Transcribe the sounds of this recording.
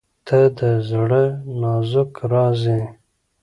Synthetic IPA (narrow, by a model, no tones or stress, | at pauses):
t̪ʰəd̪əzɽənɑzʊkɾɑzi